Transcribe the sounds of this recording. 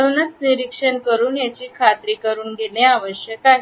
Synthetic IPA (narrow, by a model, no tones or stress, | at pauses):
unət͡sniɾikʂənkəɾuːnjat͡ɕiːkʰat̪ɾiːkəɾuːnɡʱeneaʋəɕjəkaɦe